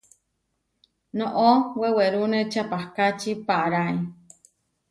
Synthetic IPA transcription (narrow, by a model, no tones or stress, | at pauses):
nõʔoweweɾunet͡ʃapahkat͡ʃipaʔaɾaj